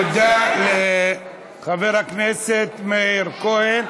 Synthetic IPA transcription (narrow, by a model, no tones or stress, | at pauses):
d̪ale | χaveʁhakneset̪meiɾkohen